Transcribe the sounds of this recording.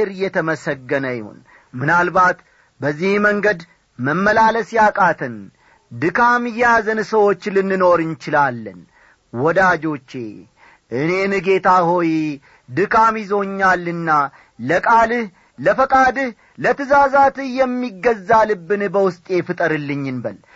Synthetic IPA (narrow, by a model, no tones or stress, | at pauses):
ɾɨjɛt̪ʰəməsəɡːənəjɪho̰n | mɨnalbat̪ | bəzːihməŋɡəd̪ | məmːəlaləsjakʼat̪ʰɨn | d̪ɨkʰamɨjazənsəwo̞t͡ʃːlɨnːɨno̞ɾɨnt͡ʃɪlalːə̰n | wɔd̪ad͡ʒo̞t͡ʃːe | ʔɨne̞nɨɡe̞t̪ʰaho̞j | d̪ɨkʰamizo̞ɲːalːɨnːa | ləkʼalɨh | ləfəkʼad̪ɨh | lət̪ɨzazat̪ɨhjɛmːiɡːəzːalɨbːɨnbəwʊst̪ʼe̞fɨt̪ʼəɾɨlːɨɲːɨnbəl